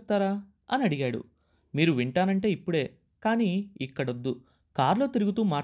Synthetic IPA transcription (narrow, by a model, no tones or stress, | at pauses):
t̪ːaːɾaː | ɐniɐɽiɡaːɽṵ | miːɾuʋiɳʈaːnɐɳʈe̞ːipːuɽe̞ː | kaːniːikːɐɽɐd̪ːu | kaːɾlo̞ːt̪iɾuɡut̪uːmaː